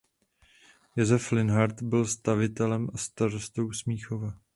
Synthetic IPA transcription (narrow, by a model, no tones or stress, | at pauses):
jɛzɛflɪnɦaɾt̪bɪlst̪avɪt̪ɛlɛmʔast̪aɾost̪o̞wsmiːxovɛ